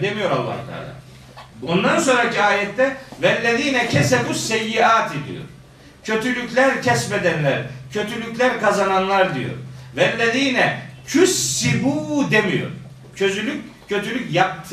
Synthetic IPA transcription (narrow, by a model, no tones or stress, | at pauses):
d̪emijo̞ɾa̰lˠːa̰ɾk̪a̰ɾd̪a̰ | ond̪anso̞nɾaciaːjɛt̪ːɛvɛlʲːed̪ʲiːnɛcʰɛsɛbusɛjːiaːt̪ʰid̪ḭjo̰ɾ̥ | cʰø̞t̪ʰylʲyclʲæɾcʰɛsmɛd̪ænlʲæɾcʰø̞t̪ʰylʲyclʲæɾkʰazananlˠaɾd̪ijo̞̰ɾvɛlʲːed̪ʲiːnɛcʰysːibuːd̪emijo̞̰ɾ | cʰø̞zylʲyc̚ʲcʰø̞t̪ʰylʲycjap̚t̪ʰ